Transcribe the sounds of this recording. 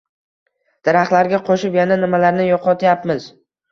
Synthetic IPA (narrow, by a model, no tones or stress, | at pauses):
d̪̥ɪɾaχt̪laɾɡʲaqʰoʃɪpjananɪmalaɾnɪjɒqʰɒt̪ʰjapmɪz